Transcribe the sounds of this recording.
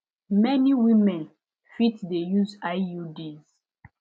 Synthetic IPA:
mɛniwimɛ̃n | fitdejuzajjudiz

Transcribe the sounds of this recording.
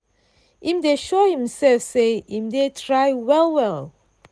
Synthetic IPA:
ĩmdeʃohĩmsɛlfseĩmdetʰɹajwɛlˠwɛl

